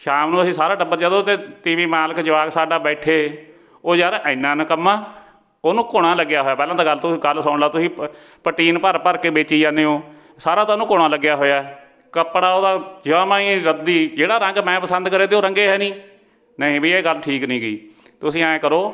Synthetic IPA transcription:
ʃaːmnũt̪əsĩːsaːɾaːɖəbːəɾd͡ʒãːd̪oːt̪eːt̪ɪʋiːmaːləkd͡ʒəʋaːɡsaːɖaːbɛːʈʰeː | oːd͡ʒaːɾʔɪnːãːnkəmːãː | oːnũːkoːɽ̃ãːləɡjaːɦoːjaːpɛːlãːd̪aːɡəlt̪ʊĩːɡəlsəːʊɳlaːt̪ʊsĩː | pəʈiːnpəɾpəɾkeːbeːt͡ʃiːd͡ʒãːneːõː | saːɾãːt̪ãːnũːkoːɽ̃ãːləɡjaːɦoːjaː | kəpɽaːoːd̪aːd͡ʒaːmãːĩːɾəd̪̚ːiːd͡ʒeːɽaːɾə̃ŋɡmɛ̃ːpəsənd̪kəɾeːt̪eoːɾəŋɡeːɦɛːnĩː | nəĩːbiːeːɡəlʈʰiːknĩːɡḭː | t̪ːʊsĩːãːẽkəɾoː

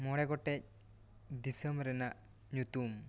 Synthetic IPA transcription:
mɔɽɛɡɔʈɛc̚ | d̪isəmɾɛnaʔ | ɲut̪um

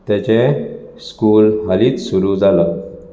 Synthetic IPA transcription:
t̪jat͡ɕeskuːlɦaliːt̪suɾud͡zalə

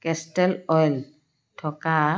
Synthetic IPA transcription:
kɛstɛlɔjl | tʰɔka

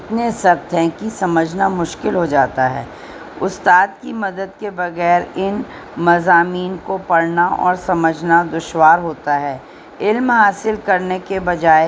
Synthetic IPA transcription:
ɪt̪nesɐɾt̪ʰɛ̃kisɐməd͡ʒʱnamʊʃkɪlɦod͡ʒaːt̪aɦɛ̰ː | ʊst̪aːd̪̚kimɐd̪əd̪kebɐɣɛːɾɪn | mɐzaːmiːnkopɐɽnaʔɔ̰ːɾsɐməd͡ʒʱnad̪ʊʃwaːɾɦoːt̪aɦɛː | ɪlmɦaːsɪlkɐɾnekebɐd͡ʒaːe

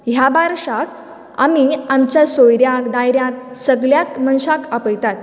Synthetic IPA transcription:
ɦjabaɾʂak | a̰miamt͡ɕjasojɾjakd̪ajɾjak̚səɡljakmənɕakapəjt̪at̪̚

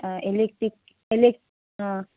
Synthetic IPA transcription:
elek̚ʈɾik̚ | elek̚ʈ | a

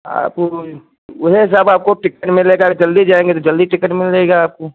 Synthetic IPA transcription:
a̰ːp | ʊɦes̬əbaːp̚koʈɪkəʈmɪleːɡad͡ʒɐld̪id͡ʒaːẽːŋɡet̪od͡ʒɐld̪iʈɪkəʈmɪleːɡaaːp̚ko

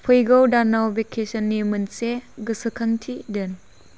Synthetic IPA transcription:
pʰɯjɡawdanawbekʰesɐnːimɯnseɡɯsɯkʰaŋtʰidɯn

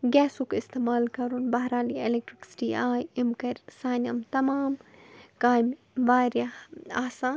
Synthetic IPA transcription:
ɡɛːsukɪst̪eːmaːlkɐɾunbɐɦɾaːlielek̚ʈɾiksi̥ʈiːaːjimkɐɾʲsaːnɐmt̪ɐmaːmkaːjm | ʋaːɾjaaːsãːn

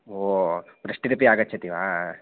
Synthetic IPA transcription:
oː | pɾɐʂʈːiɾɐpːiaːɡɐt͡ʃʰːɐt̪ːiʋaː

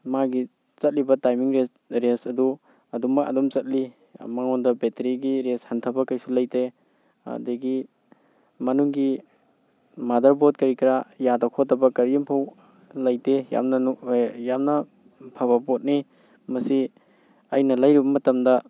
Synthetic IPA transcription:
maɡi | t͡ʃɐt̚libɐtajmiŋɾe | ɾesɐdu | ɐdumɐkɐ̰dumt͡ʃɐt̚lḭ | maŋɔndɐbeteɾiɡiɾeshantʰɐbɐkajsulɐjte | a̰deɡi | mɐnuŋɡi | madɐɾbot̚kɐɾikiɾajadɐkʰɔtɐbɐkɐɾiimpʰaw | lɐjteja̰mnɐjamnɐ | pʰaβɐbot̚ni | mɐsi | ɐjnɐlɐjɾibɐmɐtɐmdɐ

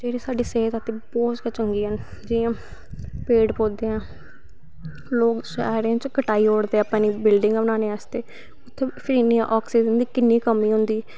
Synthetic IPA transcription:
d͡ʒeːɾiːsaːɖiːseːɦət̪at̪ẽːbɔːt̪ɡaːt͡ʃəŋɡiːɦən | d͡ʒɪːãː | peːɖpoːd̪eːɛ̃ː | loːkʃɛːɾãːt͡ʃkəʈaːiːɦoːɽd̪eːapãːniːbɪlɖɪ̃ŋɡənaːneːaːst̪eː | ʊt̪ʰːẽːpʰɪɾiːniã̰ʔɔːksiːd͡ʒənd̪iːkɪnːiːkəmiːɦʊ̃nd̪iː

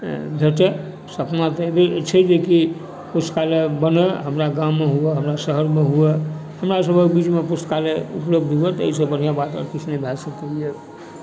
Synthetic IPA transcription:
bʱeʈe | səpnat̪ebet͡ʃʰɛd͡ʒeki | pust̪kalebəneɦəmɾaɡãːeɦueɦəmɾasəɦəɾmeɦuehəmɾasəbʱəbit͡ʃmepust̪kaleupləbd̪ʱɦuet̪ɔ̰ɦisəbən̤ijabat̪ɔ̰ɾkɪt͡ʃʰnebʱɛsəkeje

